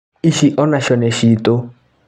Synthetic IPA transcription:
iʃiʔɔnaʃɔneʃito

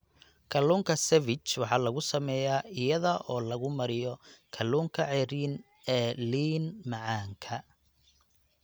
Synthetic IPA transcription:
kʰɐluːŋkʰɐsɛvɪt͡ʃwɑħɑːlɐɣʊsɐmɛːjaːɪjɐðɐʔɔːlɐɣʊmɐɾɪjɔkʰɐluːŋkʰɐʕɛɾiːn | ɛːliːnmɑʕɑːŋkʰɐ

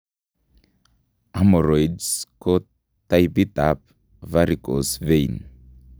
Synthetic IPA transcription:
amɔɾɔjdsko | t̪ajbit̪ap̚ | vaɾikosvejn

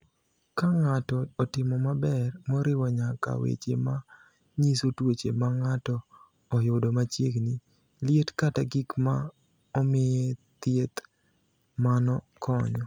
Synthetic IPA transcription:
kaŋatɔːtɪmɔmabɛrmɔɾɪwɔɲaka̰wḛt͡ʃḛma | ɲisotwot͡ʃemaŋatɔː | jʊdomat͡ʃjeɡni | lɪetkataɡikma | ɔmɪjɛt̪jet̪ | manɔ | kʰɔɲɔ

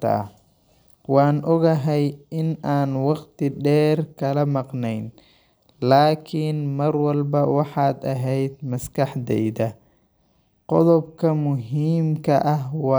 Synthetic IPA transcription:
ɐ̰ɐ̰ | wɑːnʔɔɣɐɦɛjɪnaːnwɑqt̪ʰɪɖɛːrkʰɐlɐmɑqnɛjn | laːkʰiːnmɐrwɑlbɐwɑħɑːd̪ɐɦɛjd̪mɐskʰɑħd̪ɛ̰jðɐ | qɔðɔbkʰɐmʊɦiːmkʰɐʔɐhwɑː

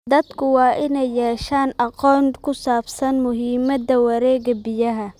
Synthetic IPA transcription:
d̪ɐd̪kʰʊwɑːʔɪnɛjːɛːʃaːnʔɑqɔːnkʰʊsaːbsɐnmʊɦiːmɐd̪ɐwɐɾɛːɡɐbɪjɐɦɐ

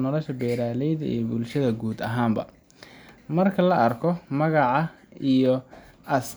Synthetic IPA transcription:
nɔlɔʃɐbɛːɾaːlɛjðɐʔḭːjɔbʊlʃɐðɐɡuːd̪ɐɦaːmbɐ̰ | mɐrkʰɐlɐʔɐrkʰɔmɐɣɑʕɑijɔ | ʔɐs

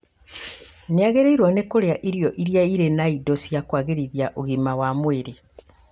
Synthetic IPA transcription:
niaɣeɾeiɾwanekoleaʔiɾjoʔiɾjaiɾenaidosijakwaːɣiɾiðjaʔoɣimawamweːɾe

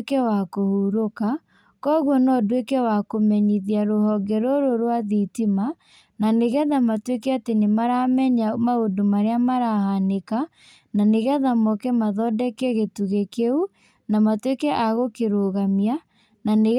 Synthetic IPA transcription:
kɛwakohuɾoka | kɔɣwɔnɔdwekɛwakomɛɲiðiaɾohɔɡɛɾoɾoɾwaðitima | naneɣɛðamatwekɛatenemaɾamɛɲamaodomaɾeamaɾahaneka | naneɣɛðamɔkɛmaðɔdɛkɛɣetuɣekeu | namatwekɛʔaɣokeɾoɣamia | naneɣ

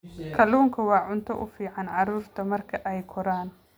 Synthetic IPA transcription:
kʰɐluːŋkʰɐwɑːʕʊnt̪ʰɔ̰ʔʊfiːʕɑnʕɑɾuːrt̪ʰɐmɐrkʰɐʔɛjkʰɔɾaːn

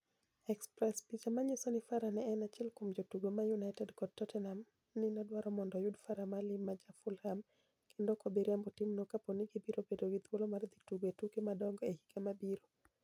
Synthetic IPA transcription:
ɛkspɾɛspit͡ʃamaɲisonɪfaɾanɛːnat͡ʃɛlkomd͡ʒotuɡomajunajtɛdkɔd̚tɔtɛnam | nɪnɔdwaɾɔmɔndɔjudfaɾamalɪmːad͡ʒafulɾam | kʰendokɔbiɾjambɔtimnɔkaponiɡibiɾobedoɡit̪wolomard̪ituɡwetukemadɔŋɡɔehi̥ɡamabiɾo

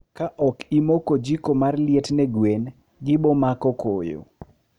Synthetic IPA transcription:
kaʔɔkimokod͡ʒikomarlɪetnɛɡwen | ɡɪbomakɔko̰jo̰

